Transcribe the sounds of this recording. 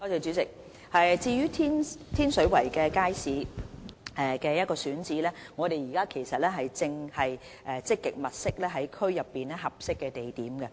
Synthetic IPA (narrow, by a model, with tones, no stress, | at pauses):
ɔː˨˧t̪e˨˩t͡ʃyː˨˥t͡sɪ˨k̚ | hɐ˨jt͡siː˧jyː˥t̪ʰiː˥nt̪ʰiː˥nsɵ˨˥ɥwɐ˨˩jkɛː˧kaː˥jsiː˨˧ | ɛ˨˩kɛː˧jɐ˥t̚kɔː˧syː˨˥nt͡siː˨˥lɛː˥ŋɔː˨˧ɾe˨jiː˨˩kaː˥kʰe˨˩jsɐ˨t̚lɛː˥ɦɐ˨jt͡sɪ˧ŋhɐ˨j | ʔɛ˨˧t͡sɪ˥kːɪ˨k̚mɐ˨t̚sɪ˥k̚lɛː˥ɦɐ˨˥jkʰɵ˥ɥjɐ˨pːiː˨nɛː˥ɦɐ˨p̚sɪ˥kːɛː˧t̪e˨˩jt̪iː˨˥mɡɛ˧